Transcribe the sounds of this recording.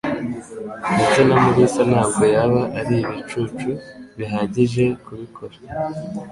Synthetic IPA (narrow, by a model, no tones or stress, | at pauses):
iɟonamuɾisanhaːb̚ɡo̞jaβaʔːɾiiβit͡ʃut͡ʃuβiɦaːɟiʒe̞kuβikʰo̞ɾa